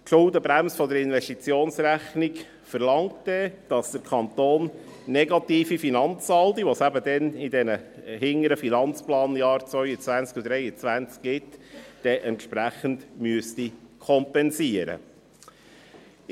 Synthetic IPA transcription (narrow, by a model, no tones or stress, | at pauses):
ʃʊldəbɾæmsfɔd̪əɾɪnʋɛʃtit͡sjoːnsɾæχnik | fəɾlɑŋtdɛd̥ɑsd̥̪əɾkʰɑnt̪oːnː | ɛɡɑt̪iːfifinɑnt͡sɑldiʋɔsæbəd̪ɛnidɛnə | hɪŋːəɾəfinɑnt͡splɑːnjɑːɾt͡svœʏət͡svænt͡skud̪ɾɛɪjət͡sʋænt͡skɡɪtd̥ɛʔɛntʃpɾæχəndmyəstikʰɔmpɛnsiəɾə̰